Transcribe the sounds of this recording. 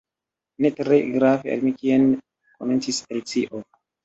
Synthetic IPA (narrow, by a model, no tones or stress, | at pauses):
netɾeɡɾavea̰lmikien | komentiselit͡siʔo